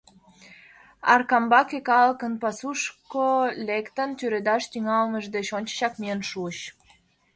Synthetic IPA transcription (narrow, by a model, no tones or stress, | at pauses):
ɑrkɑmbɑkekɑlkə̆npɑsuʃkolekt̪ənt̪yɾed̪ɑʃt̪yŋɑlməʒd̪et͡ɕonʲt͡ɕə̥ɕɑkmiənʃuəɕ